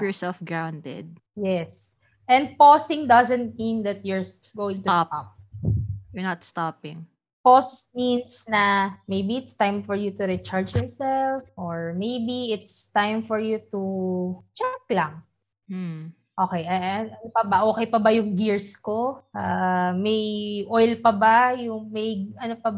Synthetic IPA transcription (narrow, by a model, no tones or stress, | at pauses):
jɔɹsɛlfɡɹawnd̪ɛ̰d̪̚ | jɛs | ʔɛ̃nd̪̚posɪ̃ŋd̪ɐzɛ̃nt̪̚mĩnd̪ɐt̪̚jʊɹɡowɪ̃ŋt̪ʊst̪ap̚ | jɔɹnɐt̪st̪apɪŋ | posminsnɐmejbiɪt̪st̪ãjmfɔɹjut̪ʊɾit͡ʃaɹd͡ʒjɔɹsɛlfʔoɹmejbiɪt̪st̪ajmfɔɹjut̪ut͡ʃɛklɐŋ̩ | ʔoːkɛjʔɐʔɐnopɐbɐʔoːkɛjpɐbɐjʊŋɡiɹskoʔamɐjʔojlpɐbajʊŋmɐjɐnopɐb